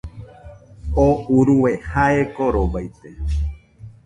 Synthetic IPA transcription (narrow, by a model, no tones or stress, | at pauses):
ouɾuwehaekoɾobajt̪e